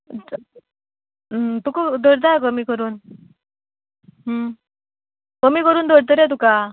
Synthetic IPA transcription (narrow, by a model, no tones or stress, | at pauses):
t̪ukad̪ʱɔɽt̪akəmikəɾuːn | ɦ | kəmiːkəɾuːnd̪ʱɔɽt̪̬əɾet̪̬uka